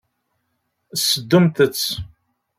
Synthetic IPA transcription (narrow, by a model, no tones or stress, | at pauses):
sːəd̪ːumt̪ət͡sː